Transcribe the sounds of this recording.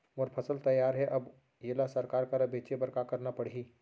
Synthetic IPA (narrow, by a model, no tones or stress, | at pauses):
ʋoɾpʰɐsəlt̪ɐjaːɾɦɛʔɐb | jeːlasɐɾkaːɾkaɾɐbeːt͡ʃebɐɾkakɐɾnapɐɽ̤i